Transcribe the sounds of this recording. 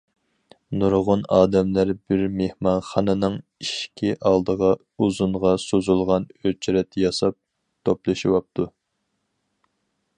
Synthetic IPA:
nuɾʁʊnɑːd̪ɛmlæɾbɪɾmehmɑnχɑnɨnɨŋiʃkʲʰiʔɑlˠd̪əʁɑ | uzunʁɑsozulˠʁɑnøt͡ʃʰɾɛt̪ʰjɑsɑp̚ | t̪ʰoplˠɨʃiwɑp̚t̪ʰu

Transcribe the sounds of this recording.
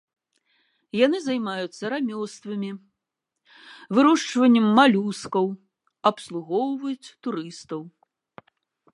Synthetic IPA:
janɨzɐjmajut̪sːɐɾamʲɔst̪vɐmʲi | vɨɾɔʂt͡ʂvɐnʲːɛmːalʲuskɐw | ɐpslˠuɣɔwvɐjut͡sʲt̪uɾɨst̪ɐw

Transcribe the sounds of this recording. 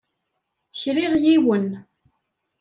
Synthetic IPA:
çɾiʁjiwən

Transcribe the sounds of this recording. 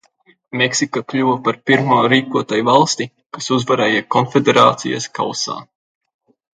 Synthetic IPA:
meksikaklʲuwɐpaɾpiɾmuːɾiːkuɔt̪ajvalˠst̪i | kasuzvaɾɛːjɛkɔnfʲed̪eɾa̰ːt̪sḭja̰ska̰wsa̰ː

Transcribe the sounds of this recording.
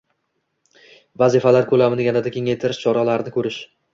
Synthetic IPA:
vazɪfalaɾkʰɵlamɪnɪjʲanad̪akʲʰe̞ŋajt̪ʰɪɾɪʃt͡ʃʰɒɾalaɾɪnɪkʰɵɾɪʃ

